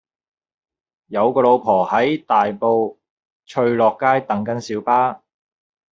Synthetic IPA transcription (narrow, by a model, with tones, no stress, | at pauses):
jɐ˨˧wkɔː˧lo˨˧wpʰɔː˨˩hɐ˨˥jt̪aː˨jpo˧w | t͡ʃʰɵ˧ɥlɔː˨˩kːaː˥jt̪ɐ˨˥ŋkɐ˨˥nsiː˨˥wpaː˥